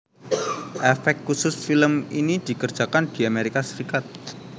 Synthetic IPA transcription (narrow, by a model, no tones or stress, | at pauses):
ʔɛfɛk̚t̪̚kːusʊsfiləminid̪̥i̤kərd̥ʒ̥ä̤kand̪̥i̤ameɾikasəɾikat̪̚